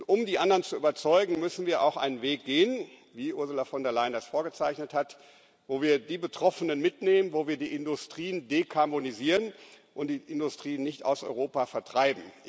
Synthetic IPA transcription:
tʔʊmdiːʔandɐʁənt͡suʔyːbɐt͡sɔʏɡŋ̩mʏsn̩viːɐʔa̰ʊxʔa̰ɪnənveːk̚ɡ̥eːən | viːʔʊɐzʊlafɔndɛɐlaɪndasfoːɐɡət͡saɪçnəthat | voːviːɐdiːbətʁ̥ɔfənənmɪtneːmənvoːviːɐdiːʔɪndʊstʁ̥iːəndekʰaɐboniziːʁən | ʔʊntd̥iːʔɪndʊstʁ̥iːnːɪçta̰ʊsɔ̰ʏʁoːpafɛɐtʁ̥aɪbm̩

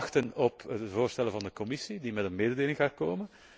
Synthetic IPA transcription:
xtənɔpəvoːrstɛləvɑndəkɔmɪsidimɛtənmeːdədeːlɪŋɣaːkoːmən

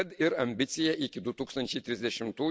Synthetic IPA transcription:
ɐt̪ɪɾɐmʲbʲɪt̪sʲɪjɛʔɪkʲɪd̪ʊt̪uːkst̪ɐnʲt͡ʃʲɛɪt̪ʲɾʲɪzʲd̪ʲɛʃʲɪmt̪uː

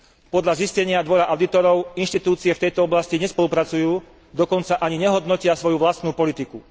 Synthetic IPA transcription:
pɔd̪ʎaziscɛɲɪad̪ʋɔɾaʔaʊd̪it̪ɔɾɔʊinʃt̪it̪uːt͡siɛft̪ɛjt̪ɔɔblasciɲɛspɔlupɾat͡sujuː | d̪ɔkɔnt͡saʔaɲiɲɛɦɔd̪nɔcɪasʋɔjuʋlast̪nuːpɔlit̪iku

